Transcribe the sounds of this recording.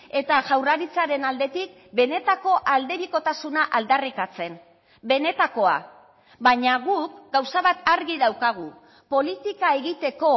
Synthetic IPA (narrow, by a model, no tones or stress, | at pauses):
e̞t̪aʝawraɾit͡saɾe̞nald̪e̞t̪ik̚be̞ne̞t̪ako̞ʔald̪e̞βiko̞t̪asunaʔald̪arikat͡se̞n | be̞ne̞t̪ako̞a̰ | baɲaɣukɡawsaβat̪aɾɣiðawkaɣ̞u | po̞lit̪ikae̞ɣit̪e̞ko̞